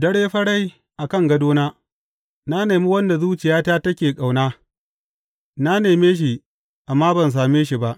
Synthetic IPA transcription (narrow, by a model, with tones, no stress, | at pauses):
dɐ˦ɽeː˦ɸɐ˦ɽa˦j | ʔa˨kɐ˦˨ŋɡɐ˦doː˦naː˦ | na˦neː˨mi˦wɐ˦nda˨zuː˦t͡ʃɪ˨jaː˦taː˦tɐ˦kʲeː˨kʼa˨wnaː˦ | na˦neː˨meː˦ʃ̬i˨ | ʔa˨mːaː˦bɐ˨ns̬aː˨meː˦ʃi˨ba˦ʔ